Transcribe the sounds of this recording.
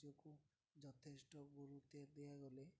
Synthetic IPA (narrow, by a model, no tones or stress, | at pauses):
oku | d͡ʒɔt̪ʰesʈɔɡuɾut̪ed̪eaɡɔle